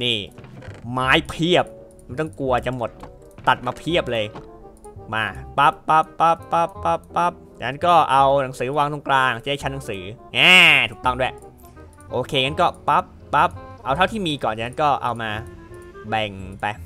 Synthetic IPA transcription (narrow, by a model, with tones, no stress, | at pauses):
niː˥˩ | maː˦˥jpʰi˥˩əp̚ | mma˥˩jt̪ɔ˥˩ŋku˧ɐt͡ɕa˧mo˨˩t̪̚ː | a˨˩t̪̚maː˧pʰi˥˩əp̚lɤː˧j | maː˧˩pa˦˥pːa˦˥pːa˦˥pːa˦˥pːa˦˥pːa˦˥p̚t͡ɕa̰˨˩na˦˥nkɔː˥˩ʔa˧wna˩˦ŋsɯː˩˦waː˧ŋt̪ʰo˧ŋklaː˧ŋ̚˨˩t͡ɕa˨˩da˥˩t͡ɕʰa˦˥na˨˦ŋsɯː˩˦ʔaː˧˩t̪ʰuː˨˩t̪ɔ˥˩ŋdu˥˩˨j | ʔoː˧kʰeː˧ŋa˦˥nkɔː˥˩pa˦˥p̚ːa˦˥p̚ʔa˧wt̪ʰa˥˩t̪ʰiː˥˩miː˧kɔː˨˩nt͡ɕa˨ŋna˦˥kɔː˥˩ʔa̰˧wmaː˧bɛ˨˩ŋpa˧j